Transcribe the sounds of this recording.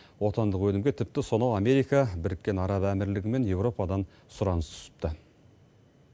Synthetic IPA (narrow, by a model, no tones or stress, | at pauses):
wo̞t̪ɑnd̪əqwɵnɪmɡʲe̞t̪ʰɪp̚t̪ɪso̞nɑwɑme̞ɾijkɑbɪɾɪkʲːe̞nɑɾɑbæmɪɾlɪɡʲɪme̞nje̞wɾo̞pɑd̪ɑn | sʊɾɑnəst̪ʰʊ̥sə̥p̚t̪ə